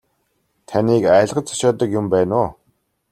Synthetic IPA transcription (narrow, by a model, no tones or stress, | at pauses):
t̪ʰaniːkæːɮʁə̆t͡sʰḁʃɔːt̪ə̆kjʊmpæːnʊː